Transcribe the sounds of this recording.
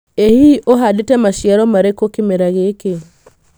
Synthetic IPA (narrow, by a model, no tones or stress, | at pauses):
ehiʔoɦadetɛmaʃjaɾɔmaɾekokemeɾaɣeke